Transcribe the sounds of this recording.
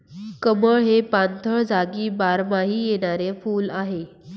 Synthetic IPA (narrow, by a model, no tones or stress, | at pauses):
kəməɭɦepant̪ʰəɭd͡zʱaɡiːbaɾmaɦiːjeɽ̃aɾefuːlaɦe